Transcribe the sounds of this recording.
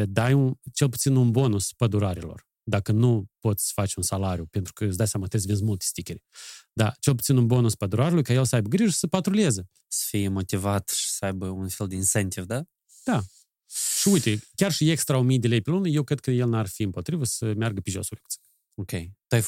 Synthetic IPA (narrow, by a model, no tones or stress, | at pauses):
əd̪ajunt͡ʃe̞lˠp̬ut̪sinunbo̞nuspəd̪uɾaɾelo̞̰r | d̪akənupo̞t̪sʲfat͡ʃʲunsalaɾʲjupe̞nt̪ɾukəsʲd̪ajsjamat̪es̬ʲvinzmulˠt̪e̥st̪ikʲeɾed̪at͡ʃe̞lˠp̬ut̪sinunbo̞nuspəd̪uɾaɾʲulujkaje̞lsəajbəɡɾiʒəsəpat̪ɾoliezə | sə̥fijemo̞t̪ivat̪ʃi̥səajbəunfelˠd̪einsent̪ivd̪a | d̪̥a | ʃiujt̪ekʲarʃiekst̪ɾaumijd̪ʲelejpelunəje̞wkɾe̞d̪̚kəje̞lˠnarfiɨmpo̞t̪ɾivəsəmjarɡəpʲiʒo̞̰suleku̥t̪si | okʲejt̪uaj